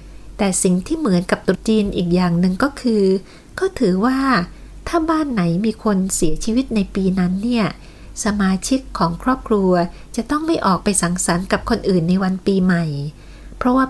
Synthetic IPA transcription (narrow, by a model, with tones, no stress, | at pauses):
t̪ɛː˨˩si˨˩ŋt̪ʰiː˥˩mɯ˩˦nka˨˩p̚t̪u˨˩t̪̚t͡ɕiː˧nʔiː˨˩k̚jaː˨˩ŋnɯ˨˧ŋkɔː˥˩kʰɯː˧ | kɔː˥˩t̪ʰɯː˩˦waː˥˩ | t̪ʰaː˥˩baː˥˩nːa˩˦jmiː˧kʰo˧nsi˩˦ɐt͡ɕʰiː˧wi˦˥t̪̚na˧jpiː˧na˦˥nːi˥˩ɐ | sa˧maː˧t͡ɕʰi˦˥kʰːɔː˩˦ŋkʰɾɔː˥˩p̚kʰɾu˧ɐ | t͡ɕa˨˩t̪ɔ˥˩ŋma˥˩jʔɔː˨˩k̚pa˧jsa˩˦ŋsa˩˦nka˨˩p̚kʰo˧nʔɯː˨˩nːa˧jwa˧npiː˧ma˨˩j | pʰɾɔ˦˥waː˥˩